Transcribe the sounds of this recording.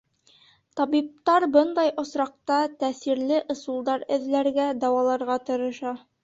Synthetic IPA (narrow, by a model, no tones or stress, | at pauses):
t̪ɒbip̚t̪ɑɾbɤnd̪ɑjŏsɾɑq̚t̪ɑt̪æsiɾlɘʔŏsulˠd̪ɑɾɘ̆ðlæɾɡæd̪ɑwɑlˠɑɾʁɑt̪ɤ̆ɾɤ̆ʃɑ